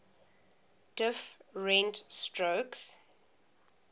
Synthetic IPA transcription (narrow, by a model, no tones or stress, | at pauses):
d̥ɪfɹɛ̃ntstɹoks